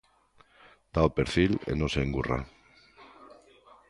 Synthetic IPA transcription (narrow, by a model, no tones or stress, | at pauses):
d̪̥aopeɾθilḛnoseːŋɡura̰